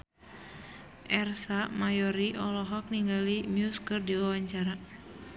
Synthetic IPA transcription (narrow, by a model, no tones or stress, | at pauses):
ʔɛrsamajɔɾiʔɔlɔɦɔk̚niŋɡalimjuskɨrdiwawaɲt͡ʃaɾa